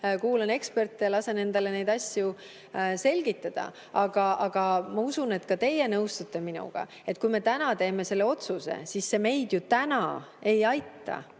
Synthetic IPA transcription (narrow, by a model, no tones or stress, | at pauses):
kuːlene̞kspe̞rt̪ːˑejɑlɑse̞ne̞nd̪̥ɑle̞ne̞jd̪̥ɑsʲju | se̞lʲɡ̥it̪ːˑɑd̪̥ɑ̰ | ɑɡ̥ɑʔɑɡ̥ɑmɑusune̞t̪ːˑkɑt̪e̞je̞nɤwst̪ut̪ˑːe̞minṵɡ̥ɑ̰ | e̞t̪̚ːˑkujme̞t̪ænɑt̪e̞ːme̞se̞lːe̞o̞t̪suse̞̰sisːe̞me̞jd̪̥jut̪ænɑ̰e̞jɑjt̪ːɑ̰